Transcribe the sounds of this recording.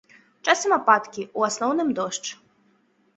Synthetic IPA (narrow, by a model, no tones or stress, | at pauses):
t͡ʃasɛmɐpat̪kʲiuasnɔwnɨmd̪ɔʃt͡ʃ